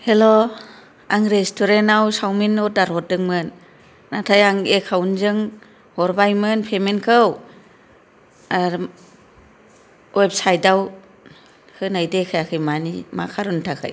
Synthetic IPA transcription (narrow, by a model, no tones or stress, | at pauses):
helo | aŋɾestʰuɾenawsawminɔdaɾhɔt̚dɯŋmɯnː | atʰajaŋekʰawnzɯŋ | hɔɾbajmɯnpʰemenkʰɯw | a | web̚sajdaw | hɯnajdekʰɯjakʰɯjmanḭma̰kʰaɾuntʰakʰɯ̰j